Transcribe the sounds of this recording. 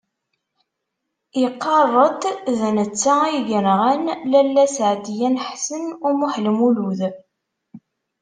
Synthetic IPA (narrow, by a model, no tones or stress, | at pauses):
ɪqːɑrˤːət̪ðənət͡sːaiʝənʁænlælːæsʕd̪jænħsənʊmuħlmuluð